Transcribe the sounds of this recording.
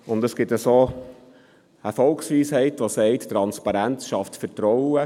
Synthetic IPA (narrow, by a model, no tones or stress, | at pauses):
ʊnd̪əsɡ̥ɪt̪əsoː | əfɔlksʋiːshɛɪt̪ʋosɛɪttɾɑnspɑɾænt͡sʃɑftfətɾɔwə